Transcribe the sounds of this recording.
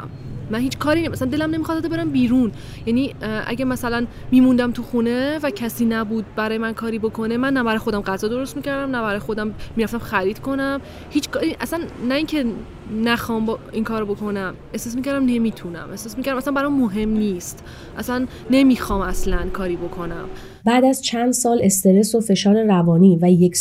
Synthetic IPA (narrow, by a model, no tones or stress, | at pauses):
m | mænhiːt͡ʃkʰɒːɾinismʔæsænd̪e̞læmne̞mixɑzæd̪ebe̞ɾæmbiːɾun | jæniːʔæ̰ɟæmæsælæn | miːmund̪æmt̪ʰuxune̞væcʰæsiːnæbuːd̪̚bæɾɒːjemænkʰɒːɾiːbo̞kʰo̞ne̞mænːæbæɾɒːjxod̪æmɢæzɒːd̪o̞ɾost̪miːcæɾd̪æmnæbæɾɒːjexo̞d̪æmmiːɾæft̪æmxæɾiːd̪̥kʰo̞næm | hiːt͡ʃkʰɒːɾiʔæsænːæiːŋcʰe̞ | næxɒːmbiŋkʰɒːɾobo̞kʰo̞næm | e̞hsɑːs̬miːcʰæɾd̪æmne̞miːt̪ʰunæ̰mʔe̞sɑːsmicæɾæmæslæmbæɾɒmːoɦe̞mniːst̪ | ʔæsænːe̞miːxɒːmæslænkʰɒːɾiːbo̞kʰo̞næm | bæːd̪æzt͡ʃʰænd̪sɒːle̞st̪e̞ɾe̞sofe̞ʃɒːɾeɾævɒːniːvæjek